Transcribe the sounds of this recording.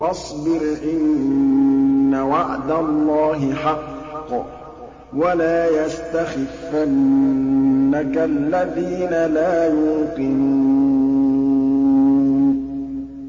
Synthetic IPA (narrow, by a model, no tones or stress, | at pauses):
ʔɑsˤbɪɾʔɪn | awaʕd̪alˤːɑːɦɪħɑqː | walaːjast̪axɪfːanː | akalːaðiːnalaːjuːqɪnuː | n